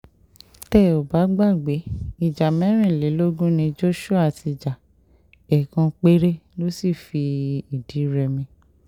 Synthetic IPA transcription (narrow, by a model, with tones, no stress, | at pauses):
tɛ˦˨o˨ba˨˦ɡ͡ba˦˨ɡ͡be˨˦i˨d͡ʒa˨mɛ̃˨˦ɾ̃ĩ˦˨le˨˦lo˦ɡũ˦nĩ˧d͡ʒo˦ʃu˦a˦˨ti˧˨d͡ʒa˨ | ɛ˨kã˧k͡pe˦ɾe˦lo˦si˦˨fi˧i˨di˨˦ɾɛ˧mĩ˧